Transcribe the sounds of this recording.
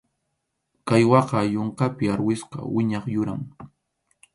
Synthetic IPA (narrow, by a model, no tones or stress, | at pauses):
kajwɑqɑjoɴqɑpɪaɾwɪsqɑ̰wɪɲɑχjʊɾaŋ